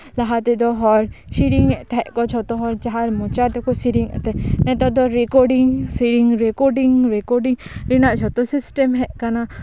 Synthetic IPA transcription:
laɦat̪ɛd̪ɔɦɔɾʃiɾiŋɛt̪ɛɛʔkɔt͡ʃʰɔt̪ɔɦɔɾt͡ʃaɦaɾmɔt͡ʃat̪ɛkɔsiɾiŋɛ̰t̪ɛnɛt̪ɔd̪ɔɾɛkɔɾɖiŋsiɾiŋɾɛkɔɾɖiŋɾɛkɔɾɖiŋɾinaʔt͡ʃʰɔt̪ɔsisʈɛmɦɛʔkana

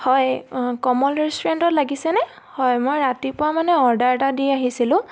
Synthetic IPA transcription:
hɔjkɔmɔlɹistuɹentɔtlaɡisɛnɛ | hɔjmojɹatipʊɹamanɛɔɹdaɹtadijaɦisilʊ̃

